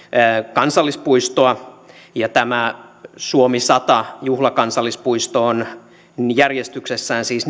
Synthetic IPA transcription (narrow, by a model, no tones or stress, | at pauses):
kɑnsɑlːispuist̪oɑ | jɑt̪æmæsuomisɑt̪ɑjuhlɑkɑnsɑlːˑispuist̪oːn | jærjest̪yksesːæːnsiːs